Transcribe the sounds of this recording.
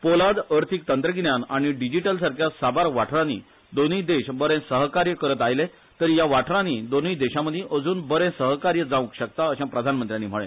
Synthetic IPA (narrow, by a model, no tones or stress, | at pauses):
polad̪əɾt̪ʰik̚t̪ənt̪ɾəɡnjanaɽ̃iɖid͡ʑiʈəlsaɾkʰjasabaɾʋaʈʰɾãnḭː | d̪onəjd̪eɕbəɾẽsəɦkaɾjəkəɾət̪ajle | t̪əɾijaʋaʈʰɾãnid̪onəjd̪eɕaməd̪ʱjẽʔəd͡zuːnbəɾẽsəɦkaɾjəd͡zãʋũkɕək̚t̪aəɕãpɾəd̪ʱanmənt̪ɾjãnːiːm̤əɭḛ̃